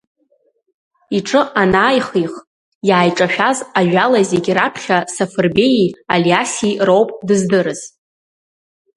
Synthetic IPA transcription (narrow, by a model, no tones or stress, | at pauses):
iʈ͡ʂʼɨʔanaːjχiχ | jaːjʈ͡ʂʼaʃᶣazaʒʷᶣalazeɡʲɪɾapʰχʲasafɨrbe̞jialiasirowpʼdɨzdɨɾɨz̥